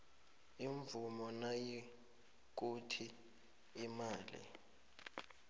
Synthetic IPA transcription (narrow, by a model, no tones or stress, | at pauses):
iɱvumɔnaji | k̬utʰiː | maːlḭ